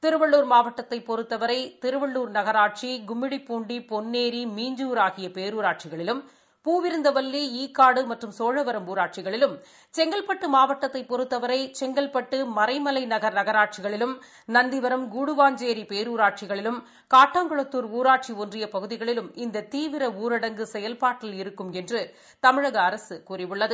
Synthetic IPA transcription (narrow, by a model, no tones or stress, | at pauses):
t̪ɪɾɯʋɐɭːuːɾmaːʋɐʈːɐt̪ːɐɪpːɔɾɯt̪ːɐʋɐɾɐɪt̪ɪɾɯʋɐɭːuːɾnɐɣɐɾaːʈ̚t͡ʃiɡʊmːɪɽipːuːɳɖipɔnːeːɾimiːɲd͡ʒuːɾaːɣɪjɐpeːɾuːɾaːʈ̚t͡ʃɪɣɐɭɪlɯm | puːʋɪɾɯnd̪ɐʋɐlːiiːkːaːɽɯmɐʈrɯmsoːɻɐʋɐɾɐmuːɾaːʈ̚t͡ʃɪɣɐɭɪlɯm | t͡ʃɛŋɡɐɭpɐʈːɯmaːʋɐʈːɐt̪ːɐɪpːɔɾɯt̪ːɐʋɐɾɐɪt͡ʃɛŋɡɐɭpɐʈːɯmɐɾɐɪmɐlɐɪnɐɣɐɾnɐɣɐɾaːʈ̚t͡ʃɪɣɐɭɪlɯm | nɐnd̪ɪʋɐɾɐmɡuːɽɯʋaːɲd͡ʒeːɾipeːɾuːɾaːʈ̚t͡ʃɪɣɐɭɪlɯm | kaːʈːaːŋɡɔɭɐt̪ːuːɾuːɾaːʈ̚t͡ʃiondrɪjɐpɐɣɯðɪɣɐɭɪlɯmɪnd̪ɐt̪iːʋɪɾɐuːɾɪɽɐŋɡɯsɛjɐlpaːʈːɪlɪɾɯkːɯmɛndrɯ | t̪ɐmɪɻɐɣɐːɾɐsɯkuːrɪʋɯɭːɐðɯ